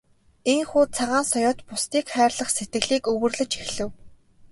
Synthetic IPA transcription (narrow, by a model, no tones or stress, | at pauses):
eŋxuːt͡sʰaʁaːnsɔjɔːt̪pʊst̪iːkχæːrɮə̆χset̪̚ɡɘ̆ɮiːkɵwɵ̆rɮɵ̆t͡ɕxexɮɘ̆w